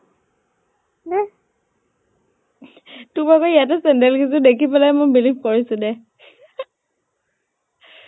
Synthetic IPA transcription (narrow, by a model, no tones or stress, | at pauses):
nɛ | tubakɔijat̬ɛsɛndɛlkis̬udekʰipɛlajmobilipʰkoɹisʊ̃nɛ